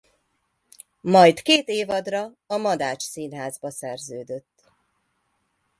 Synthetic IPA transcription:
mɒjt̪keːt̪eːvɒd̪rɒːmɒd̪aːt͡ʃsiːnɦaːzbɒsɛrzøːd̪ø̞t̪ː

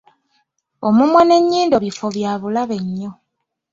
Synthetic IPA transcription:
omumwane̞ɲːiːndo̞βifoβjaːβulaβe̞ɲːo̞

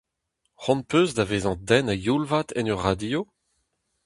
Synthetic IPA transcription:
χɔ̃npøːzd̪aveːzɑ̃d̪ɛnajulvat̪ɛnøʁːad̪io

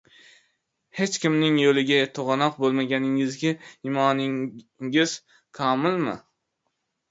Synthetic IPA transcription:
he̞t͡ʃkʲɪmnɪŋjolɪɡʲat̪ʰoʁɑnɒq̚bolˠmaɡʲanɪŋɪzɡʲaɪmɒnɪ | ɪz̥ | kʰɒmɪlmɪ̰

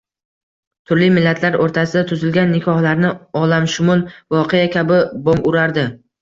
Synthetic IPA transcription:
t̪ʰʊɾlimɪlːat̪ʰlaɾoɾt̪ʰasɪd̪at̪ʰʊzɪlɡʲanːɪkʰɒhlaɾnɪɒlamʃʊmʊlˠvɒqʰejakʲʰabɪboŋkʊɾaɾd̪ɪ

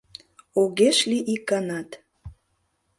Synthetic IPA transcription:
oɣeʃliʔikːɑnɑt̪

